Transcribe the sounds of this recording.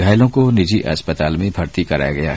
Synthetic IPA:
aːɪlõkonɪd͡ʒiʔɐ̰spət̪aːlmẽbʱɐɾt̪ikɐɾa̰ːjaɡɐja̰ː

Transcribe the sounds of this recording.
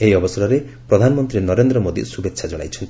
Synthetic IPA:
eɦiɔbɔsɔɾɔɾe | pɾɔd̪ʱanɔmɔnt̪ɾinɔɾend̪ɾɔmod̪ḭsubet̪ːʃʰad͡ʒɔɽa̰jt͡ʃʰɔnt̪i

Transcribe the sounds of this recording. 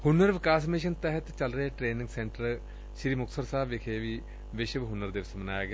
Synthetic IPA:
hʊnːəɾʋɪkaːs̬mɪʃ̬ənt̪ɛɦət̪t͡ʃəlɾəeːʈɾeːnɪ̃ŋɡsɛ̃ɳʈəɾ | ʃɾiːmʊksəɾsaːbɪkʰeːʋiː | ʋɪʃəʋɦʊnːəɾd̪eːʋɪsmənaːjaːɡeaː

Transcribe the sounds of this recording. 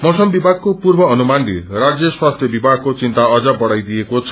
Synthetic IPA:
mosɔmbibʱaɡ̚kopuɾbɔːnumanɾiɾad͡ʒjeswast̪ʰjɔbibʱaɡ̚kot͡ʃint̪aɔd͡ʒabɔɽajd̪iekot͡ʃʰ

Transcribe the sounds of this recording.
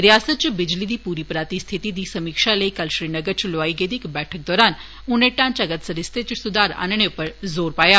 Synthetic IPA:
ɾjaːsət̪̚t͡ʃbɪd͡ʒlid̪iːpuːɾipɾaːt̪ist̪ʰit̪id̪iːsɐmiːkʃaləikəlʃɾiːnəɡəɾt͡ʃloʋaːiɡeːd̪ikbɛːʈʰək̚d̪ɔːɾaːn | ʊnẽʈãːnt͡ʃɐɡət̪səɾɪst̪ʰet͡ʃsʊd̪ʱaːɾa̰ːnɳ̃eʊpəɾzoːɾpaːjaː

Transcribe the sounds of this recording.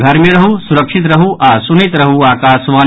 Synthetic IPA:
ɡʱɐɾmeɾɐɦusuɾɐkʂit̪̬ɾɐɦuʔaːsunit̪ɾɐɦuaːkaːsʋaː

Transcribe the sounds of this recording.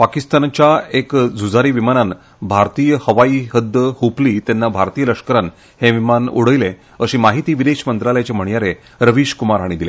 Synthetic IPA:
pakist̪ant͡ɕjaekd͡zʱud͡zaɾiːʋimanan | bʱaɾt̪iːjəhəʋaiːɦəd̪jəhupliːt̪janːabʱaɾt̪ijələkʂkəɾan | heʋimanṵɽ̤əjle | əɕiːmaɦit̪iːʋid̪eɕmənt̪ɾaljat͡ɕem̤əɳjaɾe | ɾəʋiɕkumaɾɦaɽ̃id̪ile

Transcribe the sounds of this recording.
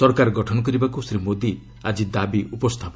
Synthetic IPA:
sɔɾkaɾɡɔʈʰɔnɔk̬ɔɾibakusɾimod̪i | ad͡ʒid̪abiʔupɔst̪ʰapɔ

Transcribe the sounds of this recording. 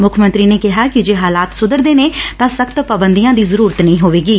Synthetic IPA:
mʊkʰmənt̪ɾiːneːkɪɦaːkɪd͡ʒeːɦaːlaːt̪sʊd̪əɾd̪eːneːtt̪ãːsəkʰt̪pəbənd̪ijãːd̪iːzəɾuːɾət̪nəĩːɦoːʋeːɡiː

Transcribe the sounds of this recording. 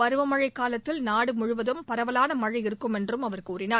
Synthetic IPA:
ɐɾɯʋɐmɐɻɐɪkːaːlɐt̪ːɪlnaːɽɯmʊɻʊʋɐðɯmpɐɾɐʋɐlaːnɐmɐɻɐɪɾɯkːɯmɛndrɯmɐʋɐɾkuːrɪnaː

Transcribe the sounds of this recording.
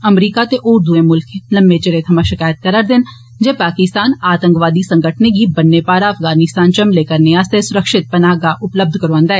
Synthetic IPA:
ɐmɾiːkat̪eʔoːɾd̪uẽmʊlkelɐ̃mbet͡ʃɐɾet̪ʰɐmaʃɪkaːjət̪̚kɐɾəɾd̪ɪn | d͡ʒepaːkɪst̪aːnaːt̪ə̃ŋkʋaːd̪isɐ̃ŋɡəʈʰneɡʱibɐnːepaːɾaːfɡaːnɪst̪aːnt͡ʃɐmleːkəɾnejaːsesʊɾəkʃɪt̪̚pɐnaːɡaʔʊpləb̚d̪ʱkɐɾoə̃ːnd̪aːɦɛː

